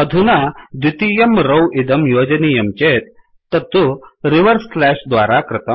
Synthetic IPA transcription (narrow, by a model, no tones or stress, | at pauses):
əd̪ʱunad̪it̪ijɐmɾowʔid̪əmjoːd͡ʑnijɐmt͡ɕet̪ː | ɐt̪ːuɾiʋəɾsflæɕd̪ʋaɾakɾɪt̪əm